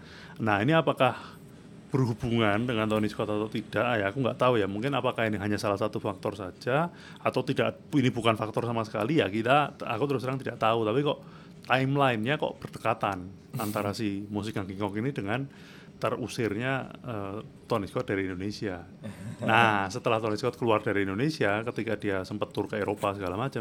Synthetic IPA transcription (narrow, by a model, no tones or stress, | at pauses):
nahiniapakah | b̥ərhubuŋandəŋant̪ɔniskɔt̪at̪awt̪id̥aʔjaːkuŋɡaʔt̪aujamuŋkɪnapakahiniɦaɲasalahsat̪ufak̚t̪ɔrsad͡ʒa | at̪awt̪ida̰ʔ | inibukanfak̚t̪ɔrsamasə̥kalijakit̪aa̰kut̪əɾʊskɾaŋt̪idaʔt̪aut̪apikɔʔ | t̪aɪmlaɪnɲakɔ̰ʔb̥ərdəkat̪an | ant̪aɾasɪhmusɪkaŋkiŋkɔkinidəŋan | t̪ərusɪrɲaəːt̪ɔniskɔt̪̚d̥aɾiindonesia | nahsət̪əlaht̪ɔniskɔt̪̚kəluardaɾiindonesiakət̪ikadiasəmpət̪ːurkaeɾopasəɡalamat͡ʃam